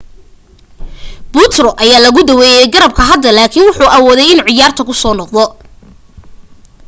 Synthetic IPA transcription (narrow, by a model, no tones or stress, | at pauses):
b̥ut̪rɔʔɐjaːlɐɣʊd̪ɐwɛːjɛjɡɐɾɐb̚kʰɐɦɐd̪ːɐlaːkʰiːnwʊħuːʔɐwɔːðɛjɪnʕɪjaːrt̪ʰɐkʰʊsɔːnɔqd̪ɔ